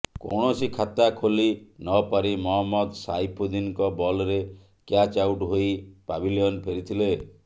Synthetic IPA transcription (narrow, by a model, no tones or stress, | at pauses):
ko̰ɽ̃ɔsikʰat̪akʰolinɔpaɾimɔɦɔmːɔd̪sajpʰod̪inkɔbɔlɾe | kjat͡ʃawʈɦoipabiliɔnpʰeɾit̪ʰile